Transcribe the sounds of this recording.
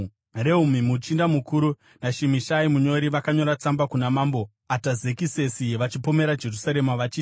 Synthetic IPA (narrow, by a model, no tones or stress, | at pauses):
re̞umimut͡ʃindamukuɾu | naʃimiʃaimuɲo̞ɾiʋakaɲo̞ɾat͡sambakunamaːmbo̞ | atazekise̞siʋat͡ʃipo̞me̞ɾad͡ʒe̞rusaɾe̞maʋat͡ʃiː